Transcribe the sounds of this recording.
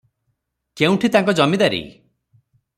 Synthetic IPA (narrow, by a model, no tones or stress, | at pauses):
keũʈʰit̪aŋkɔd͡ʒɔmid̪aɾḭ